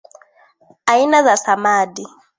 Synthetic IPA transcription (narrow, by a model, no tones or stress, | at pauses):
ainazasamaːdi